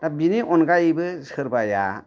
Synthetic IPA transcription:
t̪abineʔɔnkaibɨsəɾpaja̰

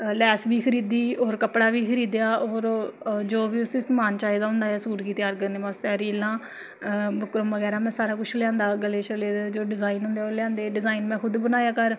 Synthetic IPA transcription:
lɛːsbiːkʰəɾiːd̪iːoːɾkəpɽaːʋiːkʰəɾiːd̪jaːoːɾd͡ʒoːʋiːʊsĩsmaːnt͡ʃaːid̪aːɦʊ̃nd̪aːɛːsuːʈkiːt̪jaːɾkəɾneːʋaːst̪aːɾiːlːãː | bəkɾəmʋəɡɛːɾaːmɛ̃ːsaːɾaːkʊt͡ʃʰlɪjãːnd̪aːɡəlːeːt͡ʃəleːd͡ʒoːɖɪzaːiːnɦʊ̃nd̪eːoːɾlɪjãːnd̪eːɖɪzaːinmɛ̃ːkʰʊd̪bənaːjaːkəɾ

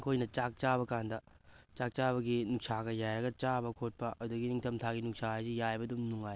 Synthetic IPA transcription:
kojnɐt͡ʃak̚t͡ʃabɐkand̪ɐ | t͡ʃak̚t͡ʃabɐɡinuksaɡɐjajɾɐɡɐt͡ʃabɐkʰot̚pɐʔɐd̪uɡiniŋt̪ʰɐmt̪ʰaɡinuk̚sazijajbɐd̪umnuŋaj

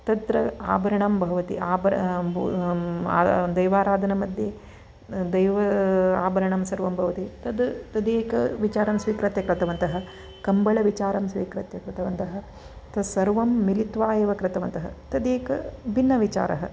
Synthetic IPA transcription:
t̪ɐd̪ɾɐaːbɐɾɐɳɐmbʱɐʋɐt̪ḭaːbɐɾ | d̪ɐjʋaːɾaːd̪ʱɐnɐmɐd̪ʱje | d̪ɐjʋɐaːbɐɾɐɳɐmsɐɾʋɐmbʱɐʋɐt̪it̪ɐd̪t̪ɐd̪eːkɐʋit͡ʃaːɾɐmsʋiːkɾɐt̪jɐkɾɐt̪ɐʋɐnt̪ɐɦɐ | kɐmbɐɭɐʋit͡ʃaːɾɐmsʋiːkɾɐt̪jɐkɾɪt̪ɐʋɐnt̪ɐɦɐ̆ | t̪ɐsɐɾʋɐmːilit̪ʋaːjeːʋɐkɾɪt̪ɐʋɐnt̪ɐɦɐ̰t̪ɐd̪eːkɐbʱinːɐʋit͡ʃa̰ːɾʔɐ̰ɦɐ

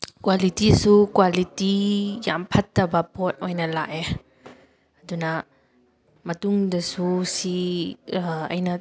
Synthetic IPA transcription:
kwalitisukwalitija̰mpʰɐtːabapɔt̚ʔɔjnalaʔɛ | ad̪una | mɐt̪uŋdɐsusi | ʔɐ̰jna

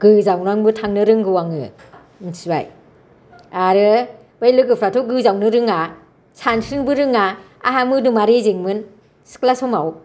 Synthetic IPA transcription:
ɡ̥ɯzawnaŋbɯtʰaŋnɯɾɯŋɡɯwaŋɯ | nsiba̰j | aɾɯ | bajlɯɡɯpʰɾatʰɔɡɯzawnɯɾɯŋa | sansʰɯnbɯɾɯŋa̰ː | ɦamɯdumaɾezeŋmɯn | sɯ̥klasɔmaw

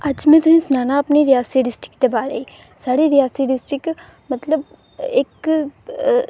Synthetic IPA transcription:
əd͡ʒmɛ̃ːt̪ʊsĩːsnaːnaːəpniːɾɪjaːsiːɖɪsʈɪ̥kd̪eːbaːɾeiː | saːɽiːɾɪjaːsiːɖɪsʈɾɪk | mət̪ləb | ɪk

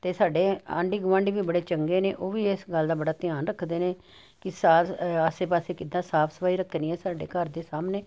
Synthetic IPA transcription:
t̪eːsaːɖeːã̰ːɳɖiːɡʊʋãːɳɖiːbiːbəɽeːt͡ʃəŋɡeːneːʔoːʋiːɪsɡəld̪aːbəɽaːt̪ɪjaːnɾəkʰd̪eːneː | kɪsaːaːseːpaːseːkɪd̪ãːsaːpʰsəpaːiːɾəkʰːniːɛːsaːɖḛːkəɾd̪eːsaːmneː

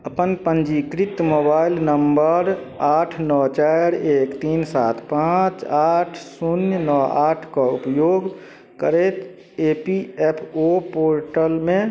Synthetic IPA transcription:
əpənpə̃nd͡ʒikɾɪt̪mobaːɪlnəmbəɾ | aːʈʰnɔːt͡ʃaɾeːkt̪iːnsa̰ːt̪ʰpãːt͡ʃaːʈʰsunjənɔaːʈʰkaʊpjoːɡ | kəɾet̪ | eːpiɛpʰopoːɾʈəlmẽ

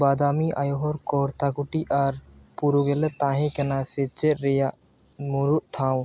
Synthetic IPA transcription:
baːd̪aːmiʔa̰joɦɔɾkɔːɾt̪akuʈiʔaɾpuɾuɡelet̪ãːɦĩkenaset͡ʃːeɾeja | muɾuʔʈʰãːw̃

